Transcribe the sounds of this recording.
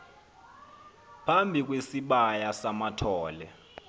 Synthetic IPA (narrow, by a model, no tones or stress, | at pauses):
pʰambʱik̬wesiɓajasamatʰɔːlɛ